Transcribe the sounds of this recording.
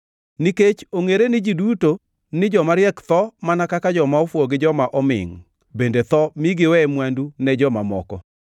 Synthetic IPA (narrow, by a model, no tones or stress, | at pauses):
niket͡ʃoŋeɾenɪd͡ʒiduto | nɪd͡ʒɔmaɾjɛkt̪ɔmanakakad͡ʒɔmaɔfwoɡɪd͡ʒɔmaʔɔmɪ̰ŋ | bendet̪ɔmiɡɪwɛmwandunɛd͡ʒɔmamɔkɔ̰